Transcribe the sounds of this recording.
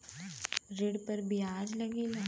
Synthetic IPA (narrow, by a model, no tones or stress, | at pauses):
ɾɪɽpɐɾbʱɪaːd͡ʒlɐɡina